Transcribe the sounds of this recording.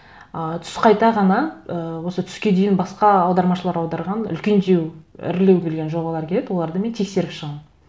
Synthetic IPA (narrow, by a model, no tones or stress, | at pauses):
ət̪ʰʏ̥sqʰɑjt̪ɑʁɑnɑəwo̞sət̪ʰʏ̥skʲe̞d̪ejɪnbɑsqɑɑwd̪ɑɾmɑʃəlˠɑɾɑwd̪ɑɾʁɑnʏ̰lkʲe̞nd̪ewɪ̰ɾle̞wʲelɡʲe̞nʒo̞bɑlˠɑɾkʲʰe̞led̪wo̞lˠɑɾd̪əme̞nt̪ʰe̞kse̞ɾɪpʃəʁɑm